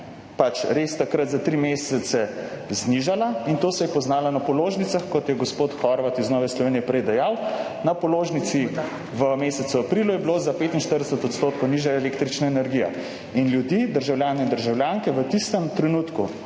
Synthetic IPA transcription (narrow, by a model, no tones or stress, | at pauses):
pat͡ʃɾest̪akɾat̪zat̪ɾimeːsɛt̪sɛzniʒalaint̪oːsɛjɛpɔznaːlanapɔloːʒnitsaxkɔt̪jɛɡospoːt̪xɔɾʋat̪iznɔːʋɛslɔʋeːnijɛpɾɛjd̪ɛjaw | napɔloːʒnit̪si | ʋəmeːsɛt̪suapɾilujɛbilozapeːt̪inʃt̪əɾd̪ɛsət̪ɔt̪st̪oːt̪̚kowniʒaelek̚t̪ɾit͡ʃnaenɛɾɡija̰ | inljud̪iːd̪əɾʒawlʲjaːnɛind̪əɾʒawljaŋkɛʋət̪ist̪əmt̪ɾɛnuːt̪ku